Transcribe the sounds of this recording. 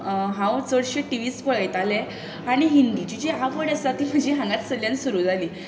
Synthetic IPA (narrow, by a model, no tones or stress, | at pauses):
ɦãwt͡səɽɕeʈiʋiːspəɭəjt̪ale | aɽ̃iɦind̪id͡ʑid͡ʑeaʋəɽəsat̪iːm̤əd͡ʑeɦãŋɡat̪səljãnsuɾud͡zʱali